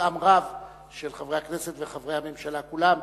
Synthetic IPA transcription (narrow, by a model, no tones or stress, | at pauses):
amʁav | ʃelχavʁejhakneset̪veχavʁejhame̞mʃalakulam